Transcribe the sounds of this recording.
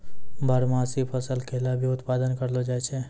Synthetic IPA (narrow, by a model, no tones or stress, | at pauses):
bʱəɾmaːsipʰəsəlkʰeːlabʱiʊt̪paːd̪ənkəɾlod͡ʒat͡ʃʰeː